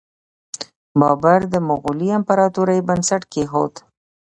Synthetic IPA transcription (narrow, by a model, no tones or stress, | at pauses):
bɑbaɾd̪əmʊɣuliampaɾɑt̪uɾajbansaʈkeɦo̰t̪